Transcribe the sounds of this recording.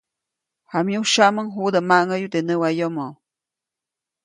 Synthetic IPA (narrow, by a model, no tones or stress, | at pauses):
hamjuʃaʔməŋɦud̪əmaŋəjut̪enəwajomo